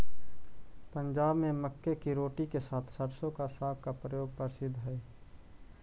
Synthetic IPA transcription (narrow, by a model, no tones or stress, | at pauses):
pəɲd͡ʒaːbmẽməkːekiɾoːʈikesaːt̪ʰsəɾsõkasaːɡkapɾəjoːɡ̚pəsɪd̪ʱːɦɛː